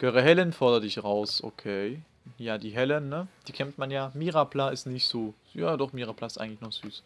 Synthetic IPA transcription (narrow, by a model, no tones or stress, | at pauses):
ɡ̥øʁəɦɛlənfɔɐdɐdɪçʁaʊsʔo̰kʰeː | jaːdiːɦɛlənːəd̥iːkʰɛmtmanjaːmiːʁaplaːɪstnɪçtz̥oː | jaːdɔχmiːʁaːpʰlaːɪsta̰ɪŋtlɪçnɔχz̥yːs